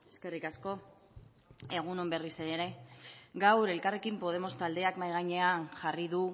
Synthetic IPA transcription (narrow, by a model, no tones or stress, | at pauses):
eske̞rikasko̞ | e̞ɣ̞unombe̞riseeɾe̞ɡawɾe̞lkare̞kimpo̞ð̞e̞mo̞st̪ald̪e̞akmajɣajɲe̞anʝariðu